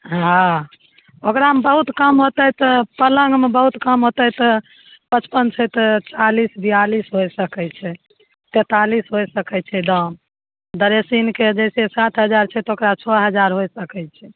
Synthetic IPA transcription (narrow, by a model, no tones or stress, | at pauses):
ɦã | okɾaɦəmbəɦut̪kəmɦot̪ɛt̪ɔpələ̃ŋɡmebəɦut̪kəmɦot̪ɛt̪ɔ | pət͡ʃpənt͡ʃʰɛt̪ɔt͡ʃalisbijalisɦojsəkɛt͡ʃʰɛ | t̪et̪alisɦojsəkɛt͡ʃʰɛd̪əm | d̪əɾesinked͡ʒɛjsesat̪ʰɦəd͡ʒaɾt͡ʃʰɛt̪okɾat͡ʃʰɔɦəd͡ʒaɾɦojsəkɛt͡ʃʰɛ